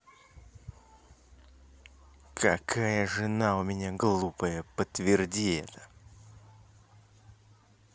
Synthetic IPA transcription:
kʰɐkʰajəʐɨnaʊmʲɪnʲaɡlˠupəjəpət̪vʲɪrdʲiɛ̰t̪ə̥

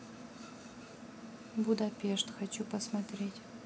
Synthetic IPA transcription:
bud̪apʲeʂt̪xɐt͡ɕupəsmɐt̪ɾʲetʲ

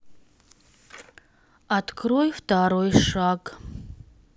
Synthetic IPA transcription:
atkʰrojftaɾojʂaɡ

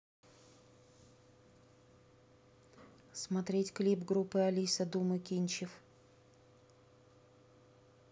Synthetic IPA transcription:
smɐt̪ɾʲetʲklʲipɡɾupːɨɐlʲisɐd̪umɨkʲinʲt͡ɕɪf

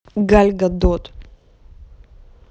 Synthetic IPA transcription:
ɡalʲɡad̪ɔt̪

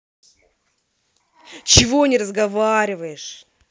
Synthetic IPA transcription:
t͡ɕɪvonʲɪɾəzɡɐvaɾʲɪvəjɪʂ

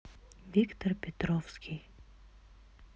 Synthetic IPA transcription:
vʲikt̪ərpʲɪt̪ɾɔfskʲʰij

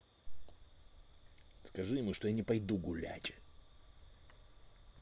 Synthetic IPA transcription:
skɐʐɨɪmɨʂt̪o̞janʲɪpɐjd̪uɡʊlʲæ̰tʲ

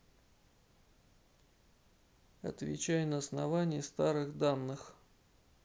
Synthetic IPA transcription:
ɐ̰t̪vʲɪ̰t͡ɕæjnəːsnɐvanʲɪjəst̪aɾɨɣd̪anːɨx

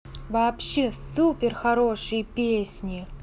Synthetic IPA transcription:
vaːpɕːe̞supʲɪrxɐɾo̞ʂɨjpʲesʲnʲɪ

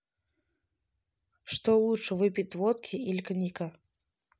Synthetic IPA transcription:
ʂt̪ɔlˠut͡ʂɨvɨpʲit̪ʲvɔt̪kʲʰiilʲknʲikɐ

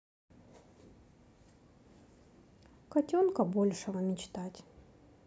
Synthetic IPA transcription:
kɐtʲonkəbo̞lʲʂɨvəmʲɪt͡ɕt̪atʲ

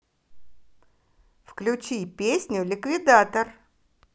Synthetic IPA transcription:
fklʲʊt͡ɕipʲesʲnʲʊlʲɪkvʲɪd̪at̪ər

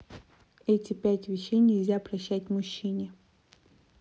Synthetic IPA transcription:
ɛtʲɪpʲætʲvʲɪɕːejnʲɪlʲzʲapɾɐɕːætʲmʊɕːinʲɪ

